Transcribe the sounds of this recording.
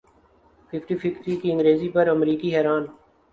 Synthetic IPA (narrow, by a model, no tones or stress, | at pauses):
fʰɪfʰʈifɪfʈikiɪ̃ŋɡɾeːzipɐɾəmɾiːkiɦɛːɾaːn